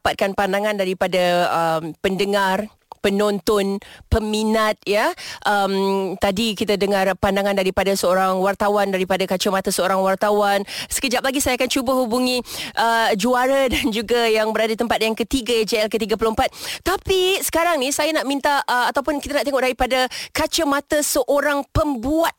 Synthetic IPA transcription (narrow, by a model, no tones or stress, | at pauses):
pat̪̚kanpandaŋãndaɾipadaəmpəndəŋar | pənɔnt̪ɔnpəminat̪̚jaʔəmt̪adikit̪adəŋarpandaŋãndaɾipadasəoɾaŋwart̪awandaɾipadakat͡ʃomat̪asəoɾaŋwart̪awansə̥kəd͡ʒap̚laɡisajakant͡ʃubəɦubuŋĩʔəd͡ʒuaɾadand͡ʒuɡajaŋbəɾadat̪əmpat̪̚jaŋkət̪iɡajad͡ʒeɛlkət̪iɡaplompat̪̚ːapisə̥kaɾaŋnisajanaʔmint̪aəat̪awpʊnkit̪anaʔt̪eŋɔʔ̚daɾipadakat͡ʃəmat̪əsəʔoɾaŋpəmbuat̪̚